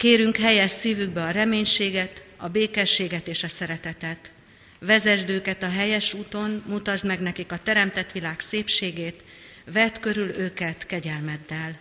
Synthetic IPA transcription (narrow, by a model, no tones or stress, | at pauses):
keːɾyŋkhɛjɛʃsiːvyɡ̚bɛɒɾɛmeːɲʃeːɡɛt̪ɒbeːkɛʃːeːɡɛt̪eːʃɒsɛɾɛt̪ɛt̪ɛt̪ | ʋɛzɛʒd̪øːkɛt̪ɒɦɛjɛʃuːt̪o̞nmut̪ɒʒd̪mɛɡnɛkikɒt̪ɛɾɛmt̪ɛt̪ʋilaːkseːpʃeːɡeːt̪ | vɛt̪kø̞ɾyløːkɛt̪kɛɟɛlmɛd̪ːɛl